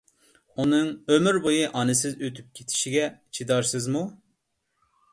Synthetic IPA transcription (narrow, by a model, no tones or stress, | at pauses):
unɨŋømyɾbojɨʔɑnɨsɪzøt̪ʰyp̚kʲʰe̥t̪ʰɪ̥ʃiɡʲɛt͡ʃʰid̪ɑɾsɨzmu